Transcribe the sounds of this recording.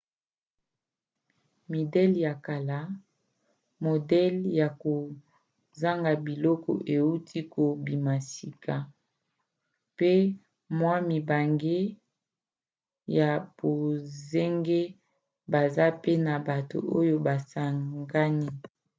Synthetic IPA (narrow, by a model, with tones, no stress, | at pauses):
mi˨dɛ˦lja˨ka˨la˦ | mo˨dɛ˦lja˨ko˨ | za˦ŋɡa˨bi˨lɔ˦kɔ̰˨ʔe˨u˦tʰi˦ko˨bi˨ma˨si˨kʰa˨ | pe˦ | mwa˦mi˨ba˨ŋɡe˦ | ja˨b̥o˨ze˦ŋɡe˦ | ba˨za˦pe˦na˨ba˨to̰˨ʔo˦jo˦ba˨sa˨ɡa˦ni˦